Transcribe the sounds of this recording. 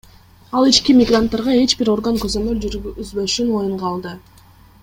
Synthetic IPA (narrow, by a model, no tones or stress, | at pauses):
ɑlˠit͡ʃkimʲɪɡrant̪ːaɾʁɑe̞t͡ʃbiɾo̞rɡəŋkɵzø̞mø̞lzbø̞ʃyno̞juɴʁɑlˠd̪ɯ